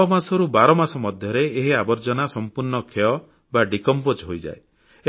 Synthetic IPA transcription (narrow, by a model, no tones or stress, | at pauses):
ɔmasɔɾubaɾɔmasɔmɔd̪ʱjɔɾeːɦiabɔɾd͡ʒɔnasɔmpuɾɳɔkʰeɔ | baɖikɔmpot͡ʃɦojd͡ʒa̰e | e